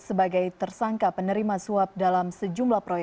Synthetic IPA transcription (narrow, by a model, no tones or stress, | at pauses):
səbaɡajt̪ərsaŋkapənəɾimasuap̚dalamsəd͡ʒumblahpɾojɛ